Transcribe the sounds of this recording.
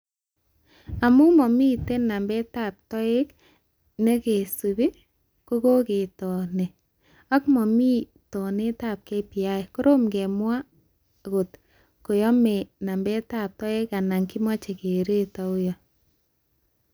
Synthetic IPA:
a˨mu˦mɔ˨mi˦te˦na˨mbɛ˦ta˦˨p̚tɔ˦e˦k | ne˦ke˨su˨βe˦ | ko˦ko˦ke˨tɔ˨ne˨ | a˦kmɔ˨mi˦ | tɔ˨ne˦ta˦˨p̚ke˦pi˨a˦e˨ko˦ɾo˦mɡe˨mwa˦ | ɡo˨t | ko˨jɔ˦me˨na˨mbɛ˦ta˦˨p̚tɔ˦e˦ka˨na˨ŋki˦ma˦t͡ʃe˨ke˨ɾe˦ta˨u˦jɔ˨

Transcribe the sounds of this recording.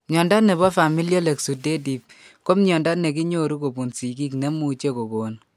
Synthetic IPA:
mɲɔ˨nda˦nɛ˨βɔ˦fa˨mi˦ljɔ˦le˨ksu˨de˦di˨p̚ | ko˦mɲɔ˨nda˦ne˨k̬i˦ɲo˦ɾu˦ko˨bu˨nsi˨ki˦kne˦mu˨t͡ʃe˦ko˨ko˨n

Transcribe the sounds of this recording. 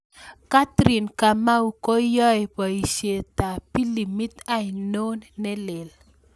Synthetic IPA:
ka˦t̪ɾi˨nka˨ma˦u˨ko˦jɔ˦jpɔ˨i˨ʃje˨ta˨pi˦li˨mi˦t̪a˦i˨no˦nːɛ˦lɪ˨l

